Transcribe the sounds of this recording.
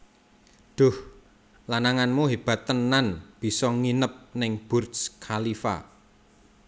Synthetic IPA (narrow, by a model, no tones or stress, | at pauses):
ɖ̪̥ʊ̤h | lanaŋanmuɦeb̥a̤t̪ːənanb̥i̤sɔŋinəp̚nɪŋb̥ʊrskʰalifa̰